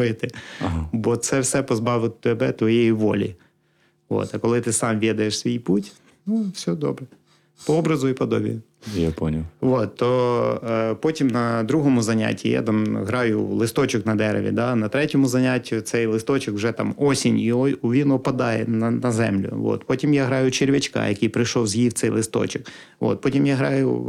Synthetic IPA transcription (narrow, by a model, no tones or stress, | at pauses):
jɪt̪ɪɦbɔt̪sɛwsɛpɔzbɑʋɪt̪ɛbɛt̪ʋɔjejiʋɔ̰lʲḭ | ʋo̰t̪ɐkɔlˠɪt̪ɪsɑmʋʲid̪ɐjeʃsʲʋʲijputʲ | nufsʲɔd̪ɔ̰bɾɛ | pɔɔbɾɐzʊipɔd̪ɔbʲḭjʊ | japɔnʲɐlˠʋot̪ːɔ | pɔtʲimnɐd̪ɾuɦɔmʊzɐnʲa̰tʲʰːḭja̰t̪ɑmɦɾɑjʊ̰lˠɪst̪ɔt͡ʃɪknɐd̪ɛɾḛʋʲḭd̪ɑnɐt̪ɾɛtʲɔmʊzɐnʲatʲːʊt̪sɛjlˠɪst̪ɔt͡ʃɪkwʒɛt̪ɑmɔsʲinʲiʋʲinʊpɐd̪ɑjɛnɐnɐzɛ̰mlʲʊ̰ʋɔ̰t̪pɔtʲimjaɦɾɑjʊt͡ʃɪɾʲʋʲɪt͡ʃkɑ̰jɐkɪjpɾɪjʃɔwzʲjiwt̪sɛjlˠɪst̪ɔ̰t͡ʃɪk | ʔo̰t̪̚pɔtʲimjaɦɾɑjʊ̰